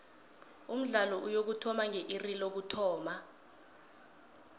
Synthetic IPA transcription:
um̩ɮalɔʔujok̬utʰɔmaŋeʔirilok̬utʰɔːma

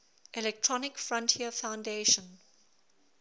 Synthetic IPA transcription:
ʔɛlɛk̚tʰɹ̥ɔnɪkfɹɔ̃ntʰiəfãʊ̃ndeʃə̃n

